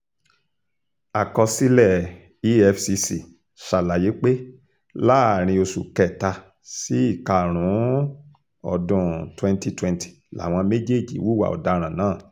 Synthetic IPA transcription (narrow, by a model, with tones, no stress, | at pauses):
a˨kɔ˧si˦lɛ˦˨ | i˦ɛ˦˧fsi˧si˨ | ʃa˨la˨je˨˦k͡pe˦ | la˦˨ɾ̃ĩ˧o˧sṵ˨kɛ˨ta˧ | si˨˦i˦˨ka˧ɾ̃ũ˨˦ | ɔ˧dũ˧twɛ̃˦nti˧twɛ̃˧ntʰi̥˨la̰˨w̃ɔ̃˧me˦d͡ʒe˦˨d͡ʒḭ˨˦wu˦wa̰˨ɔ̰˨da˧ɾ̃ã˨nãː˦˨